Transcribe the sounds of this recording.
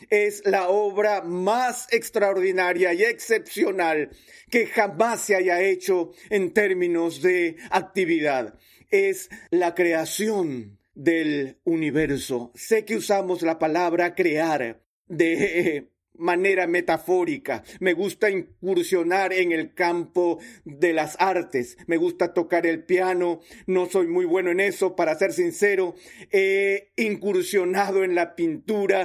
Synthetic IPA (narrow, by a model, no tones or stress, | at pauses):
e̞zlaoβɾamase̞kst̪ɾaoɾðinaɾjaie̞kse̞psjo̞nal | ke̞xamasːeaʝae̞t͡ʃo̞ent̪e̞ɾmĩno̞zðe̞ak̚t̪iβiðað | e̞slakɾe̞asjo̞n | d̪e̞luniβe̞ɾso̞̰se̞ke̞usamo̞zlapalaβɾakɾe̞aɾ | d̪e̞ | mane̞ɾame̞t̪afo̞ɾika̰me̞ɣust̪aiŋkuɾsjo̞naɾe̞ŋe̞lkampo̞ðe̞lasaɾt̪e̞sme̞ɣust̪at̪o̞kaɾe̞lpjano̞no̞so̞jmujβwe̞noe̞ne̞so̞paɾase̞ɾsinse̞ɾo̞e̞iŋkuɾsjo̞naðo̞e̞nlapint̪uɾa